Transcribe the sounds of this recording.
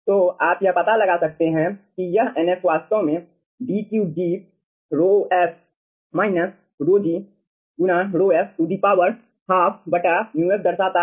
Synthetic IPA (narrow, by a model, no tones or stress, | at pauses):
t̪oːaːpjɐpɐt̪alɐɡasɐk̚t̪eɦɛ̃kijɐɦɛnesʋaːst̪õmẽ | ɖiːkjud͡ʒiːp̚ | ɾoːɛːp | maːɪnəs | ɾoːd͡ʒi | ɡʊnaːɾoːɛːsʊd̪ʱipaːwəɾ | haːpʰbɐʈanuesd̪ɐɾsat̪a